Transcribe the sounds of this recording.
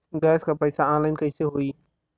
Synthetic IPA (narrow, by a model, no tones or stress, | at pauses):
ɡɛːskʰapɐɪsaãːnlaːɪnkɐɪseɦoːiː